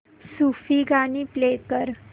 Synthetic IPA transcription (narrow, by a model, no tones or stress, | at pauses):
sufiɡaniplekəɾ